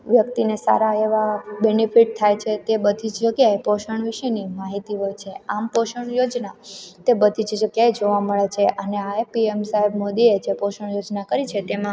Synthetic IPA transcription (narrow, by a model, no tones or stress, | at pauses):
ʋjəkt̪inesa̰ɾaeʋabenifʰiʈ̚t̪ʰajt͡ʃʰet̪ebəd̪ʱid͡ʒd͡ʒəɡjaepoʃəɳ̃ʋiʃənimaɦit̪iɦojt͡ʃʰeampoʃəɳ̃jod͡ʒnat̪ebəd̪ʱid͡ʒd͡ʒəɡjaed͡ʒoʋaməɭet͡ʃʰeʔəneaepiemsaɦibmod̪ied͡ʒepoʃəɳ̃jod͡ʒnakəɾit͡ʃʰet̪emã